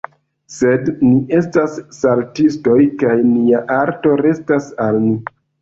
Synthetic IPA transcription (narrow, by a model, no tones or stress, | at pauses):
se̞dniʔe̞stasːaltisto̞jkajniaʔaɾto̞ɾe̞stasalni